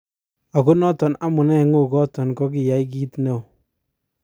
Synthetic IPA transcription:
a˨ku˦nɔ˦tɔ˨na˦mu˨nɛ˦ŋu˦˨kɔ˦tɔ˨nkɔ˦k̬i˨ja˨˦i˦k̬i˦tne˦˨w

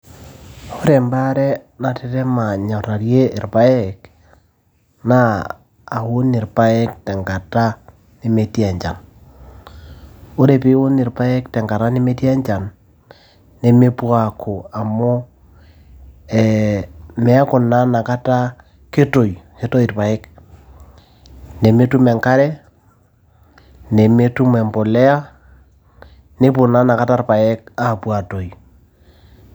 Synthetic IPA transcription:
o˦ɾe˨mba˦ɾɛ˦na˨te˦ɾe˦ma˨ɲɔ˨ɾa˨ɾje˦e˨ɾpa˦ɛ˨k | na̰ː˦˨ | ho˦nɪ˨ɾpa˦e˦k̚tɛ˨ŋɡa˨ta˦ | ne˦me˨tja˨ɲd͡ʒa˨n | o˦ɾe˨pi˦o˦ni˨ɾpa˦e˦ktɛ˨ŋɡa˨ɾa˦ne˦me˦tja˦ɲd͡ʒa˨nː | e˦me˦pwa˨kʰo˨a˨mo˦ | ɛ˨mɛ˦a˦kʊ˨na˦na˨ka˦ta˦ | ke˦to˨jke˦to˦i˨rpa˨ɛ˦k | ne˨me˦tu˦mɛ˨ŋka˦ɾɛ˦ | ne˨me˦tu˦mɛ˨mpo˨lɛ˦a˦ | ne˦p̬ʊ˨na˦na˨ka˦ta˦ɾpa˨ɛ˦k̚a˨pwa˨to˨j

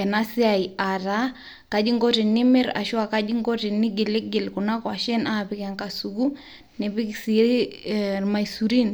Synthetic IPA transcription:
ɛ˨na˦si˦aia˨ɾa˦ | ka˦d͡ʒi˦ŋɡɔ˦ɾɛ˨ni˦mɛ˦ɾa̰˨ʃwa˨ka˦ʄi˦ŋɡɔ˦tɛ˨ni˦ɡe˨le˦ɡe˨lku˨na˦kwa˨ʃɛ˦nʔa˨pi˨ka˨ŋka˨suku˦ | nɛ˨βi˦ksi˨˦ | rma˨isuɾi˦n

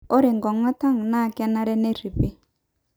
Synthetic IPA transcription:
o˦ɾɪ˨ŋɡɔ˨ŋa˦ta˦ŋ˨na˦˨kɛ˦na˦ɾɛ˦ne˦ri˨pe˦

